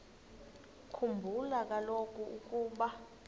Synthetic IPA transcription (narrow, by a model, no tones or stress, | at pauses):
kʰumbʱulak̬ʼalokʼuuk̬ʼuːɓa